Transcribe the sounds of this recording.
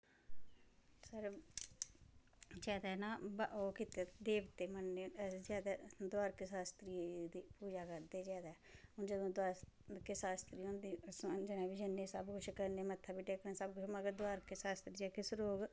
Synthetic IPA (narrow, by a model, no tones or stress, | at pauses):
səɾ | d͡ʒɛːd̪aːnaːbaʔoːkit̪eːd̪eːʋt̪eːmənːeːd͡ʒaːd̪aːd̪aːɾkesaːst̪ɾiːd̪iːpuːd͡ʒaːkəɾd̪eːd͡ʒaːd̪aː | ʊnd͡ʒəd̪õːd̪aːskesaːst̪ɾiːɦõːnd̪iːsd͡ʒɪnaːbid͡ʒənːeːsəbkʊt͡ʃʰkəɾneːmət̪ʰːaːbiʈeːkənaːsəb̚kʊt͡ʃməɡəɾd̪waːɾkesaːst̪ɾiːd͡ʒaːkesɾoːɡ